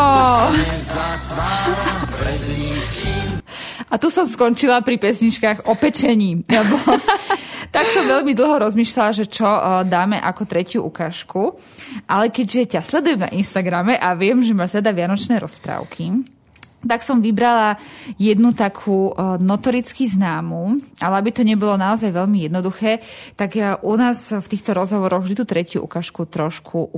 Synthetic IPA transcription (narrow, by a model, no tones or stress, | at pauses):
ɔ | ʔat̪usɔmskɔnt͡ʃilapɾipɛsɲit͡ʃkaːɣɔpɛt͡ʃɛɲiːbɔ | t̪aksɔmʋɛʎmid̪l̩ˠɦɔɾɔzmiːʃlalaʒɛt͡ʃɔd̪aːmɛʔakɔt̪ɾɛcɪuʔukaːʃku | ʔalɛkɛɟʒɛcaslɛd̪ujɛmna̰ʔinst̪aɡɾamɛʔaʋɪɛmʒɛmaːʒzɛd̪aʋɪanɔt͡ʃnɛːɾɔspɾa̰ːʊkʰi | t̪aksɔmʋibɾalajɛd̪nut̪akʰuːnɔt̪ɔɾit͡skiznaːmuʔalɛabit̪ɔɲɛbɔlɔnaɔzajʋɛʎmijɛd̪nɔd̪uxɛːt̪aɡʔunaːsft̪iːxt̪ɔɾɔzɦɔʋɔɾɔɣvd̪it̪uːt̪ɾɛcjṵʔṵkaːʃkut̪ɾɔʃkʰu